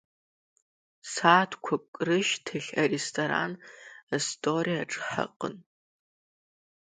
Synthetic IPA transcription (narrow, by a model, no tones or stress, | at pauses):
saːtʰkʷʰɔkʷʼrɨʃtʰɨɬɐrestʰoɾa̰nɐstʰʼoːriːɐʈ͡ʂʼħɐ̰qʼə̰n